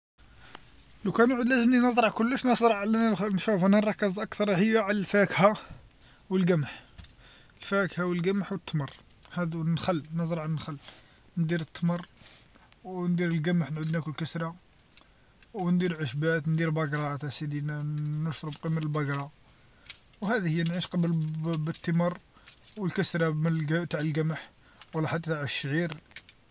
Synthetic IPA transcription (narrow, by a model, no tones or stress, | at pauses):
lukænʕud̪læzəmninəzˤɾˤɑʕkʊlːəʃnəsˤɾˤɑʕlænnʃufænærˤɑkːɑzˤʔɑkt̪ɑɾˤhəjːaʕalælfækha | wəlɡæmħ | əlfækhawəlɡæməħwət̪ːmɑrˤ | hæd̪unxəlːnəzˤɾˤɑʕlnxəlː | nd̪iɾət̪ːmərˤ | wnd̪iɾəlɡæməħnʕud̪nækʊlkəsɾˤɑ | wnd̪iɾʕəʃbæt̪nd̪iɾbæɡɾˤɑt̪æsid̪innəʃɾˤəbqimələlbæɡɾˤɑ | whæd̪ihəjːænʕiʃqɑblbət̪ːəmɑrˤwəlkəsɾɑmɡt̪aʕəlɡæməħ | wlːæħat̪ːat̪aʕəʃːʕiɾ